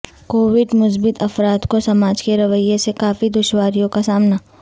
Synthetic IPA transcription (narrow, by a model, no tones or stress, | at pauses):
koːʋɪɖmʊs̬bɪt̪ʰɐfɾaːt̪kosɐmaːd͡ʒkeɾɐʋəjːẽsekaːfid̪ʊʃwaːɾijõkasaːmna